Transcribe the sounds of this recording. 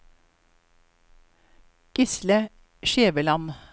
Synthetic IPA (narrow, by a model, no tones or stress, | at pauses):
ɡ̥ɪslə | ʃeːʋəlɑn